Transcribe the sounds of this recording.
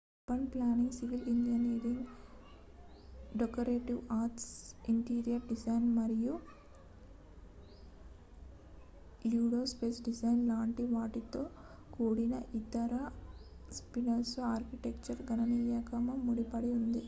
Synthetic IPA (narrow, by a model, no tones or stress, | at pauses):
pɐnplaːniŋɡsiʋilind͡ʒɐneːɾiŋɡ | ɖekɐɾeːʈiʋaːɾʈsiɳʈiːɾijɐɾɖid͡ʒɐjnmɐɾiju | juːɽoːspeːsɖisɐjnlaːɳʈiʋaːʈit̪o̞ː | kuːɽinɐʔit̪ɐɾɐ | spinɐɾsaːɾkiʈekt͡ʃɐɾɡɐnɐnijɐːkɐmɐmuɽipɐɽiund̪i